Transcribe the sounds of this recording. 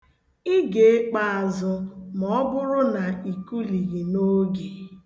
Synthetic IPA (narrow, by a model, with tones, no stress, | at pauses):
i˦ɡe˨e˦k͡pa˨a˨zʊ˨mɔ˦bʊ˦ɾʊ˦na˨i˨ku˦li˨ɣi˨no˦ɡe˨